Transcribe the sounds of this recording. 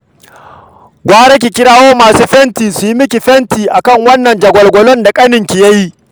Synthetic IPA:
ɡʷaː˦ɽe˦k̬ʲiː˨kʲɪ˦ɽaː˦woː˦maː˨suː˦ɸɛ˦ntiː˨su˨ji˦mɪ˦k̬ʲi˨ɸɛ˦ntiː˨ʔa˨kɐ˦˨ŋwɐ˦nːɐ˨nd͡ʒɐ˨ɡʷɔ˨lɡʷɔ˨lɔ˦nda˨kʼɐ˦nɪ˨ŋkʲi˨jɐ˦ji˦

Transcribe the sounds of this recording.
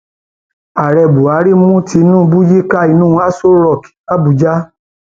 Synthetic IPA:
a˨ɾɛ˧˨bu˨a˨˦ɾi˦mũ˦ti˧nũ˦˧bu˦ji˦ka˦˨i˧nũ˦˧˦a˦so˦ɾɔ˨ki̥˨˦a˦bu˨˧d͡ʒa˦

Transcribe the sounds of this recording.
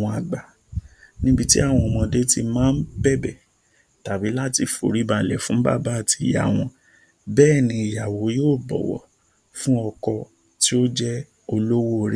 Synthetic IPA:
w̃ɔ̃˧a˨ɡ͡ba˨ | nĩ˦bi˧tḭ˦a˦˨w̃ɔ̃˧ɔ˨mɔ̃˧de˦ti˧mãː˦n̩˦bɛ˦˨bɛ˦˨ | ta˨bi˨˦la˦ti˧fo̰˨ɾi˨˦ba˧˨lɛ˨fũ˨˦ba̰˦˨ba˨˦a˦˨ti˧˨ja̰˨w̃ɔ̃˧ | bɛː˦˨nĩ˧i˨ja˨wo˨˦joː˦˨bɔ̰˨wɔ̰˨ | fũ˦ɔ˧kɔ˧ | ti˦o˦d͡ʒɛ˦ | o˧lo˦wo˦˨ɾi˦

